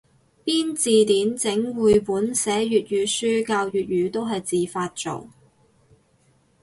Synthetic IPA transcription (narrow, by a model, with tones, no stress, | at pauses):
piː˥nt͡siː˨t̪iː˨˥nt͡sɪ˨˥ŋwuː˨˧jpuː˨˥nsɛː˨˥jyː˨t̚ɥyː˨˥syː˥kaː˧wjyː˨t̚jyː˨˧t̪o˥wɦɐ˨jt͡siː˨faː˧t̚t͡so̰˨˩w